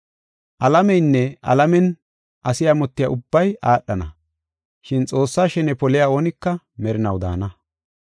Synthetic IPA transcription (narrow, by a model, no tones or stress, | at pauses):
ʔɐlɐmɛjnːɛʔɐ̰lɐmɛn | ʔɐsɪjaːmɔt̪ːɪja̰ːʔʊbːɐjʔaːɗːɐnɐ | ʃɪnt͡sʼo̞ːsːaːʃɛnɛpɔlɪjaːo̞ːnɪkːɐ | mɛɾɪnɐwd̪a̰ːnɐ